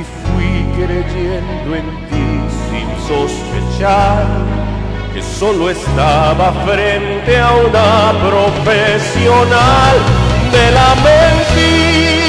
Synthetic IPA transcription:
ifuikɾed͡ʒɛnd̪oent̪isḭmsospḛt͡ʃal | k̟esoloest̪avafɾɛnt̪eaunapɾofesjonald̪elament̪i

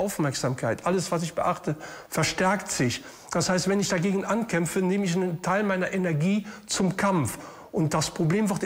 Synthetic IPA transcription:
ʔaʊfmɛɐkz̥aːmkʰaɪtʔaləsv̥asɪçb̥əʔaχtəfɛɐʃtɛɐktz̥ɪç | d̥ashaɪstv̥ɛnɪçd̥aɡeːɡn̩ʔankʰɛmfəneːməɪçnəntʰaɪlmaɪnɐʔenɛɐɡiːt͡sʊmkʰamf | ʔʊnt̚d̥aspʁ̥obleːmvɪɐt

